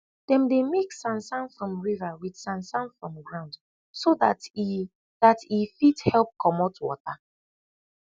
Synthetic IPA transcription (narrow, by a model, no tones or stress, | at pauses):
d̥ɛ̃mdemeksãnsãnfɹɔ̃mɹivawid̥sãnsãnfɹɔ̃mɡɹãʊ̃nd | soðat | datifidhɛlˠp̚kʰɔmɔtwɔ̰ta